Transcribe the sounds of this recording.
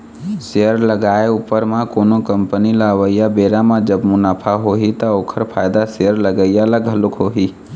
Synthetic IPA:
seəɾləɡaːeupəɾmãkoːnokəmpənilaʋəijabeːɾamãd͡ʒəbmʊnaːpʰaɦoɦit̪ɔoːkʰəɾpʰaːjd̪aseəɾləɡəjalaɡʱəlukɦoɦi

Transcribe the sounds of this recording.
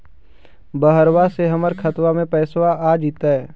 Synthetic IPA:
bəɦəɾwaseɦɐməɾkʰət̪wamẽpɛːswaaːd͡ʒit̪aɦɛː

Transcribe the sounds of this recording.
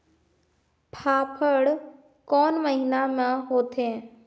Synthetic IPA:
pʰaːpʰəɽ | kɔːnməɦinamãɦoːt̪ʰẽː

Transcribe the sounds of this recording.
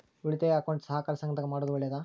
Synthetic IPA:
uɭit̪eɐkɐwɳʈsɐɦakaːɾɐsɐŋɡɐt̪ɐɡmaːɽod̪uʋɐɭjɐd̪a

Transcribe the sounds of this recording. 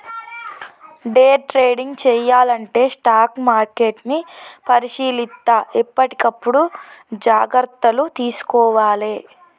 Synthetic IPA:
ɖeːʈɾeːɖiŋɡt͡ʃɛːjaːlɐɳʈe̞ːsʈaːkmaːɾkeːʈnipɐɾiʃiːlit̪ːɐʔipːɐʈi̥kɐpːuɽud͡ʒaːɡɐɾt̪ːɐlut̪iːsu̥kɔːʋaːleː

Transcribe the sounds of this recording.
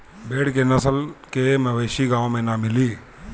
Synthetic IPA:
beːɽkenɐsəlkeməʋeːʃiɡãːõmẽnamɪliː

